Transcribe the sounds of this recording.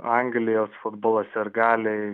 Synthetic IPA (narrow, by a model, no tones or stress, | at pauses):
ɐŋɡlʲɪjoːsfʊd̪boːlˠɐsʲɪɾɡɑːlʲɪ